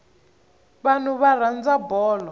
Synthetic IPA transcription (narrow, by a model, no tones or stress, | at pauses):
βan̤uβaɾand͡zabɔːlɔ